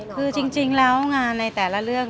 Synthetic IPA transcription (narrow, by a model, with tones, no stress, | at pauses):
kʰɯː˧t͡ɕi˧ŋt͡ɕi˧ŋlɛː˦˥wŋaː˧nːa˧jt̪ɛː˩la˧˥lɯ˥˩əŋ